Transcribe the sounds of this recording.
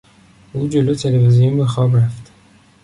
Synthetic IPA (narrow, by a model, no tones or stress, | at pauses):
uːd͡ʒolot̪ʰelevizijumbexɒːbraft̪